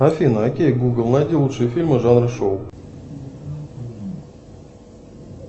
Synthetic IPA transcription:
ɐfʲinəɐkʲejɡuɡɨlˠnad̪ʲilˠutʂɨjəfʲilʲmɨʐanrɨʂow

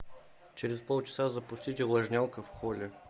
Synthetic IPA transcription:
t͡ʃɛɾɛspɔlˠt͡ʃɛ̥sazɐpʊst̪ʲit̪ʲɛlˠɐʒnʲalˠkəfxɔlʲɛ

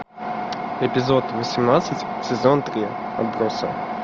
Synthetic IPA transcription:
ɛpʲɪzot̪vəsʲɪmnat̪sɨtʲ | sʲɪzont̪ɾʲi | ɐ̰bɾosə̰

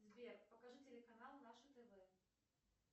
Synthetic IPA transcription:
zʲvʲerpɐkaʐɨtʲelʲɪkanalˠnaʂɨt̪ɛvɛ

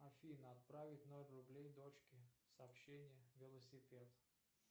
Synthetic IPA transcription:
ɐfʲinəɐt̪̚pɾavʲɪtʲnolʲrʊblʲejd̪ot͡ɕkʲɪsɐːpɕːenʲɪjəvʲɪlˠəsʲɪpʲet̪

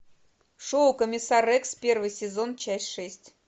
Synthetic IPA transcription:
ʂowkəmʲɪsarɛkspʲervɨjsʲɪzo̞nt͡ɕæsʲtʲʂɛsʲtʲ

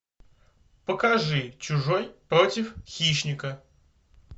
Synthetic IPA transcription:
pəkɐʐɨt͡ɕʊʐojpɾo̞tʲɪfxʲiɕnʲɪkə

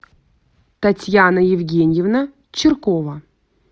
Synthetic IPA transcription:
t̪ɐtʲjanəjɪvɡʲenʲjɪvnə | t͡ɕɪrkovə

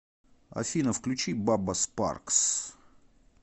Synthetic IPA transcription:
ɐ̰fʲinəfklʲʉt͡ɕibabəspa̰rks

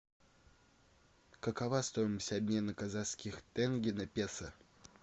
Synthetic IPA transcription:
kəkɐvast̪ojɪməsʲɐbʲmʲe̞nəkɐzaskʲɪxt̪ɛnɡʲɪnɐpʲesə

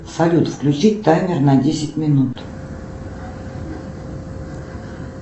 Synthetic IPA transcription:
sɐlʲut̪fklʲʉt͡ɕit̚ʲt̪ajmʲɪrnadʲesʲɪt̚ʲmʲɪnut̪

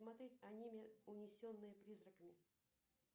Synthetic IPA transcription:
mat̪ɾʲetʲɐnʲimʲɪʊnʲɪsʲo̞nːɨjəpɾʲizɾəkəmʲɪ

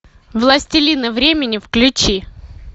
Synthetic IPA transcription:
vlˠɐsʲtʲɪlʲinɨvɾʲemʲɪnʲɪfklʲʉt͡ɕi

